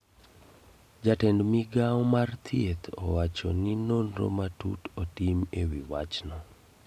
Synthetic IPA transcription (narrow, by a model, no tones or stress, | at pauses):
d͡ʒatɛndmiɡaɔmart̪ʰjet̪ʰɔ̰wat͡ʃɔninonro̰matṵtotimewiwat͡ʃnɔ